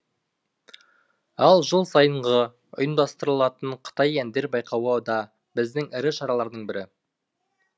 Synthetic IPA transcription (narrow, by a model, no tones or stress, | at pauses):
ɑlˠʒəlˠsɑjəɴʁə | ʊ̰jənd̪ɑst̪əɾəlˠɑt̪əɴqʰə̥t̪ɑjænd̪e̞ɾbɑjqʰɑwəd̪ɑ | bɪzd̪ɪŋɪɾɪʃɑɾɑlˠɑɾd̪əɴbɪɾɪ